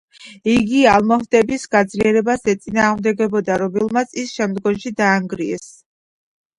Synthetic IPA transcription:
iɡialˠmɔhd̪ɛbisɡad̪zliɛɾɛbasɛt̪sʼinaːʁmd̪ɛɡɛbɔd̪aɾɔbɛlˠmat̪sʰisʃɛmd̪ɡɔmʃid̪aːŋɡɾiɛs

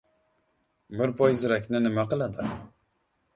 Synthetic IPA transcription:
bɪɾpʰɔjzɪɾɛkʲnɪnɪmæqɨlˠad̪ɪ

